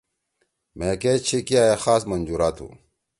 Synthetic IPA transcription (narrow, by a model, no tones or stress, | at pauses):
mẽkeːt͡ɕʰikiaːjexaːsmɐnd͡ʑuːɾaːt̪ʰṵ̃ː